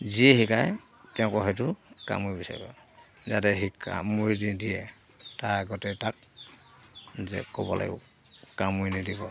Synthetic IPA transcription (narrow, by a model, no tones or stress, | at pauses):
ziɛɦikaj | tɛʊ̃kɔɦɔtuka̰mujbisa̰ɹḭbɔ | zatɛɦikʰːa̰muɹididiɛ | taaɡɔtɛtak̚ | zɛ̰kɔbɔlʔa̰ɡɛ̰ | kamujnidibɔ